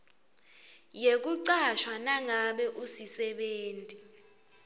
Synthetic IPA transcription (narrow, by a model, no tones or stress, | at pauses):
jek̬uǀaʃwanaŋaɓɛʔusisɛɓeːntʼi